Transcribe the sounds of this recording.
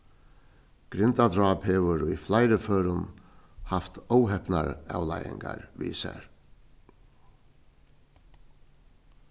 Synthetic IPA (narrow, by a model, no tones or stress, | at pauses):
ɡ̥ɾɪnt̪ad̪ɾɑːphɛːʋʏɾujflajɾəføːɾʊn | haft̪owɦɛpna̰ɾa̰wlajɪ̰ŋɡaɾʋḭːsɛ̰ɾ